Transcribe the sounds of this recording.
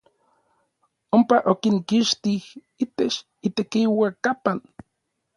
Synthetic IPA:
ompaʔokiŋkiʃt̪ih | it̪et͡ʃ | it̪ekiwakapan

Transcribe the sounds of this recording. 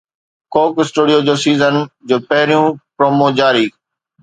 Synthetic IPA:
koːksʈuːɽijod͡ʑoːsiːzənd͡ʑoːpɐɦɪɾijũpɾoːmod͡ʑaːɾiː

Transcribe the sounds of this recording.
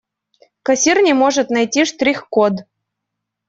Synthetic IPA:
kɐsʲirnʲimoʐɨt̪najtʲiʂt̪ɾʲixkod̪

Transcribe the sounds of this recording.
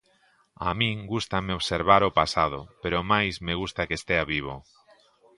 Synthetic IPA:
a̰mĩŋɡust̪ameoβseɾβaɾopasaðʊpeɾomajzmeɣust̪akest̪eaβiβ̞o̰

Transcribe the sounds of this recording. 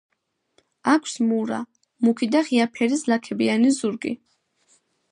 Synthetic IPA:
akʰsmuɾa̰ | mukʰid̪aχiapʰɛɾislakʰɛbianizuɾɡḭ

